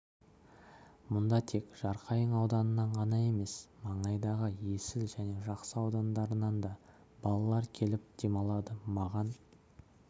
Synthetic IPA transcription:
mʊnd̪ɑt̪ʰe̞kʒ̥ɑɾqʰɑjəɴɑwd̪ɑnənɑɴʁɑnɑe̞me̞smɑɴɑjd̪ɑʁəje̞sɪlʒæne̞ʒɑqsəɑwd̪ɑnd̪ɑɾənɑnd̪ɑ | b̥ɑlˠɑlˠɑɾkʲʰe̞lɪp̚d̪̥e̞mɑlˠɑd̪əmɑʁɑn

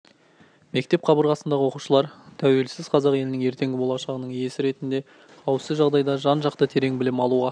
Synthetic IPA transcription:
me̞k̚t̪e̞p̚qʰɑbəɾʁɑsənd̪ɑʁəwo̞quʃəlˠɑɾt̪ʰæwe̞lsɪz̥qʰɑzɑqe̞lɪnɪŋe̞ɾt̪e̞ŋɡʲɪbo̞lˠɑʃɑʁənəɴje̞sɪɾe̞t̪ɪnd̪e̞ | qʰɑwsəʒɑʁd̪ɑjd̪ɑʒɑnʒɑqt̪ət̪ʰe̞ɾe̞ŋbɪlɪmɑlˠuʁɑ

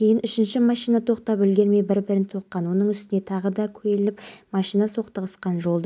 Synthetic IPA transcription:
kʲʰe̞jɪnʏʃɪnʃɪmɑʃijnɑt̪ʰo̞qt̪ɑpʏlɡʲe̞ɾme̞jbɪɾbɪɾɪnt̪ʰo̞qqːɑnwo̞nəɴʏst̪ɪne̞t̪ʰɑʁəd̪ɑkʲʰɵelɪpmɑʃijnɑso̞qt̪əʁəsqɑnʒo̞lˠd̪ə

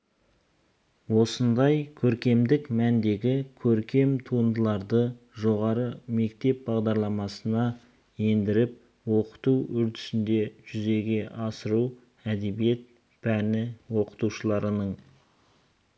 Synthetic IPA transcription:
wo̞sənd̪ɑjkʲʰɵɾkʲe̞md̪ɪkmænd̪e̞ɡʲɪkʲʰɵɾkʲe̞mt̪ʰuənd̪əlˠɑɾd̪ə | ʒo̞ʁɑɾəme̞kt̪e̞p̚bɑʁd̪ɑɾlˠɑmɑsənɑ | je̞nd̪ɪɾɪp̚ | woqə̥t̪uwʏɾt̪ɪ̥sɪnd̪e̞ʒ̥ʏze̞ɡʲe̞ʔɑsəɾu | æd̪e̞bije̞t̪̚ | pʰænɪwo̞qə̥t̪uʃəlˠɑɾənəɴ

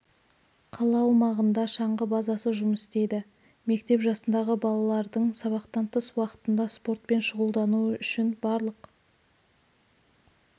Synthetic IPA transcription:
qʰɑlˠɑwmɑʁənd̪ɑʃɑɴʁəbɑzɑsəʒʊməst̪e̞jd̪ɪ | me̞kt̪e̞pʒɑsənd̪ɑʁəbɑlˠɑlˠɑɾd̪əɴsɑβɑqt̪ɑnt̪əswɑqə̥t̪ənd̪ɑspo̞rt̪̚pe̞nʃʊʁəlˠd̪ɑnuʏʃɪnbɑɾlˠəq

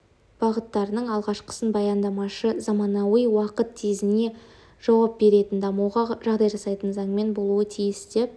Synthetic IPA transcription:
b̥ɑʁət̪ːɑɾənəɴɑlˠʁɑʃqʰə̥sənbɑjɑnd̪ɑmɑʃəzɑmɑnɑwəjwɑqət̪ːʰezɪne̞ | ʒ̥ɑwɑp̚be̞ɾe̞t̪ɪnd̪ɑmɑwʁɑʒɑʁd̪ɑjʒɑsɑjt̪ənzɑɴme̞nbo̞lˠuət̪ʰijɪsd̪ep̚

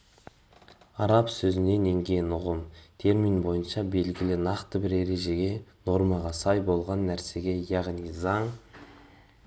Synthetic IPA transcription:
ɑɾɑpsɵzɪne̞ne̞ŋɡʲe̞nʊʁəmt̪ʰe̞ɾmijnbo̞jənʃɑbe̞lɡʲɪlɪnɑqt̪əbɪɾe̞ɾe̞ʒe̞ɡʲe̞no̞ɾmɑʁɑsɑjbo̞lˠʁɑnːæɾse̞ɡʲe̞jɑʁnijzɑɴ

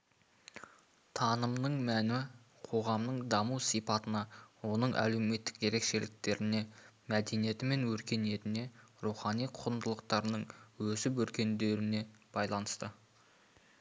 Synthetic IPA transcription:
t̪ʰɑnəmnəɴmænɪ | qʰo̞ʁɑmnəɴd̪ɑmuwsijpɑt̪ənɑwo̞nəɴʔæ̰le̞wme̞t̪ːɪ̥kje̞ɾe̞kʃe̞lɪk̚t̪e̞ɾɪne̞mæd̪e̞nije̞t̪ɪme̞nwɵɾkʲe̞ne̞t̪ɪne̞ɾuχɑnijqʰʊɾənd̪əlˠəqt̪ɑɾənəɴwɵsɪp̬wɵɾkʲe̞nd̪e̞ɾɪne̞ | b̥ɑjlˠɑnəst̪ə

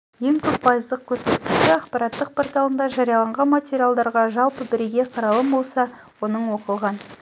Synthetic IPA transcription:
je̞ŋkʲʰɵp̚pʰɑjəzd̪əq̚kʲʰɵɾse̞t̪kʲɪʃɪɑqpɑɾɑt̪ːəq̚pʰort̪ɑlˠənd̪ɑʒɑɾijɑlˠɑɴʁɑnmatʲeɾʲialˠd̪ɑɾʁɑʒɑlˠpəbɪɾeɡʲe̞qʰɑɾɑlˠəmbo̞lˠsɑ | wo̞nəɴwo̞qəlˠʁɑn

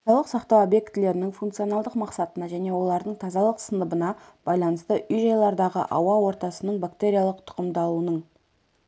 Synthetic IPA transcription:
ɑlˠəqsɑqt̪ɑwobje̞kt̪ɪle̞ɾɪnɪŋfunk̪t̪sio̞nɑlˠd̪əqmɑqsɑt̪ənɑʒæne̞wo̞lˠɑɾd̪əɴt̪ʰɑzɑlˠəqsənəbənɑb̥ɑjlˠɑnəst̪əʔʏjʒɑjlˠɑɾd̪ɑʁə̰ʔɑ̰wɑwo̞ɾt̪ɑsənəɴbakt̪e̞ɾʲijalˠəqt̪ʰʊ̥qəmd̪ɑlˠuənəɴ

